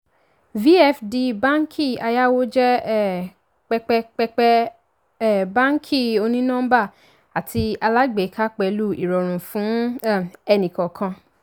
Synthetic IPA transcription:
vi˦ɛ˦˨fdi˧bã˦ŋ˦kʰi˦˨a˧ja˦wo˦d͡ʒɛ˦ | k͡pɛ˧k͡pɛ˧k͡pɛ˧k͡pɛ˦˨ | bã˦ŋ˦kʰi˦˨o˧nĩ˦nã˦ba˦˨ | a˨tʰi˧a˧la˦ɡ͡be˨˦ka˦k͡pɛ˧lu˦˨ḭ˨ɾɔ˨ɾ̃ũ˨fũ˨˦˨ | ɛ˧nĩ˨kɔ˨kʰã˧

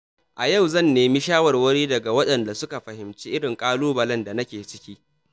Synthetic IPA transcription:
ʔa˨jɐ˦˨wzɐ˦˨nːeː˨mi˦ʃaː˦wɐ˨rwɐ˦ɽiː˦dɐ˨ɡa˨wɐ˦ɗɐ˨nda˨sʊ˦ka˨ɸɐ˨hɪ˨mt͡ʃiː˦ʔɪ˦ɽɪ˨ŋkʼaː˦luː˦bɐ˨lɐ˦nda˨nɐ˦kʲeː˨t͡ʃɪ̥˦kʲiː˦

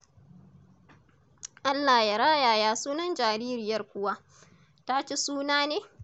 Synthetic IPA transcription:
ʔa˦lːa˨ja˨ɾaː˦jaː˨jaː˨suː˦nɐ˦nd͡ʒaː˨ɾiː˦ɾɪ˨jɐ˦rkʷʊ˦wa˦ | ta˦t͡ʃe˦suː˦naː˦neː˦

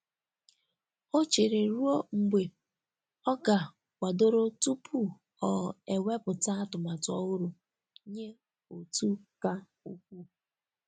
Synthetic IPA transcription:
o˦t͡ʃe˨ɾe˨ɾu˦o˦ŋ͡m̩˨ɡ͡be˨ | ɔ˦ɡa˨ | wʷa˨do˦ɾo˦tu˦pʰu˦ | ɔ˨e˨we˦pʊ˨ta˦tʊ˨ma˨tʊ˨˦ɔ˦ɣʊ˦ɾʊ˨ | ɲe˦ | o˨tu˦ka˦ | u˦kʷu˦

